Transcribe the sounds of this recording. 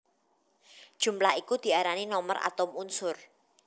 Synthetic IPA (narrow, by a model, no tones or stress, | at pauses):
d̥ʒ̥ṳmlahikud̪̥i̤aɾaninɔməra̰t̪ʊmunsʊr